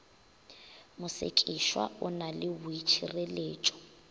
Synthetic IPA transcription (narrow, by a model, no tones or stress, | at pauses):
mʊsḛkʼiʃwa̰ʊnalɪwʊit͡ʃʰireleːt͡ʃʼɔ̥